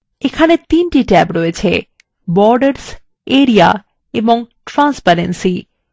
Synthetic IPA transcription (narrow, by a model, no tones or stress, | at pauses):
ekʰanet̪inʈiʈɛbɾɔet͡ɕʰe | bɔɾɖeɾs | eɾia̰ | eboŋʈɾanspaɾensi